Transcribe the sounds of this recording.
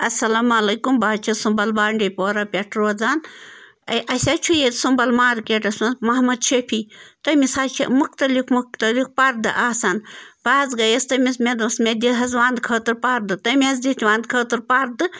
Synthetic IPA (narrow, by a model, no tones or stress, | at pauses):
ɐsɐlɐmɐlɐjkumbaːt͡ʃʰɐsumbɐlbaːɳɖɐpoːɾɐpʲeʈʰɾoːd͡zaːn | ɐjʔɐsʲat͡ʃʰujet̪sumbɐlmaːɾkeʈɐsumɐɦmɐd̪ʃepʰit̪ɐmisaːt͡ʃʰḛmukt̪ɐlikmukt̪ɐlikpɐɾd̪ɨʔaːsɐnbaːzɡɐjɐst̪ɐmismed̪uːsmed̪ʲiɦɐzʋaːnd̪kʰəːt̪ɨɾpaɾd̪ɨt̪ɐmʲezd̪it̪ʰʲʋaːnd̪kʰəːt̪ɨɾpaɾd̪ɨ